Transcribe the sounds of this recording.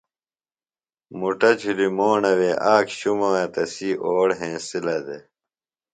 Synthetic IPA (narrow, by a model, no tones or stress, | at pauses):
muʈɐt͡ɕʰilimoːnɐweːʔaːkɕumɐwet̪ɐsiːʔoːɽɦẽːsilɐd̪e